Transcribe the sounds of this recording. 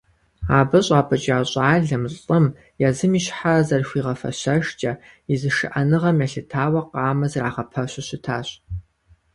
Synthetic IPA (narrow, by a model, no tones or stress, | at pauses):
aːbɐɕʼaːpʰɨt͡ʃʼaːɕʼaːɮɐmʼɨm | jɛzɨmiɕħazɐrxʷiːʁɐfɐ̰ɕɐʃt͡ʃʼɐ | izɨʃɨ̰ʔɐnɨʁɐmjɛɬɨtʰaːwɐqɑːmɐzraːʁɐpʰɐɕʷɪɕɪtʰaːɕʼ